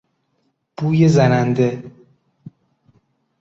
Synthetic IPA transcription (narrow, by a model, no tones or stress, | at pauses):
b̥uːjezænænd̪e